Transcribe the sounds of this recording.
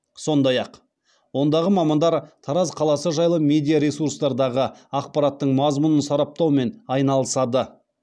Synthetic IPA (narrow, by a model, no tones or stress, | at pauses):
so̞nd̪ɑjɑq | wo̞nd̪ɑʁəmɑmɑnd̪ɑɾt̪ʰɑɾɑzqʰɑlˠɑsəʒɑjlˠəmʲe̞d̪ijaɾesuɾst̪ɑɾd̪ɑʁəɑqpɑɾɑt̪ːəɴmɑzmʊnənsɑɾɑp̚t̪ɑwme̞nɑjnɑlˠəsɑd̪ə